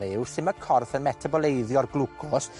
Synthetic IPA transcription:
ɪwsɪməkʰɔrθənmɛtʰabɔlˠejðjɔrɡlˠukʰʊs

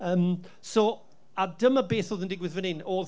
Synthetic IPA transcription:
əːm | so | adəməbeːθoːðəndɪɡwɪðvənɪnoː

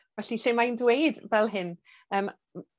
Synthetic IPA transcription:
vɛɬiɬɪmajndwejdvɛlˠɦɪn | əːm

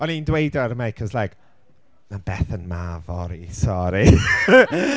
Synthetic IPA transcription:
ɔnindwejdaɾəmajkʰɔzlajk | nabɛθənmavɔɾisɔɾi

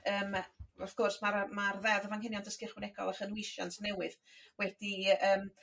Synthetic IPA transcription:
əːmafɡ̥ʊrsmaɾmarðɛðəvanhɪnjɔndəskɪχwɪnɛɡɔ̰lˠaχənwiʃɔ̰ntʰnɛwɨð̥wɛd̥iəːm

